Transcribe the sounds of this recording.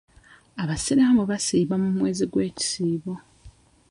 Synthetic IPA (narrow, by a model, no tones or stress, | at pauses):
aβasiɾamoβasiːβamumwe̞ːziɡwe̞ːci̥siːβo